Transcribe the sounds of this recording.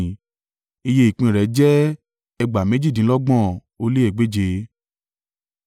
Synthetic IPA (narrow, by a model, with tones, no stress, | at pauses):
i˧je˧˦i˨k͡pĩ˧˨ɾɛ˨˦d͡ʒɛ˦ | ɛ˧ɡ͡ba˨me˨˦d͡ʒi˦˨dĩ˨˦lɔ˦ɡ͡bɔ̃˦˨ | o˧li˦eɛ˦˨ɡ͡be˨˦d͡ʒe˧